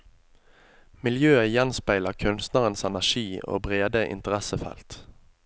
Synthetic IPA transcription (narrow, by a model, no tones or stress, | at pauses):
mɪljøːəjɛnspæɪləʁkʰʉnst̪nəʁənsɛnæʃiːo̰ːbʁeːd̪əʔɪ̰nt̪əʁɛsəfɛ̰lt̪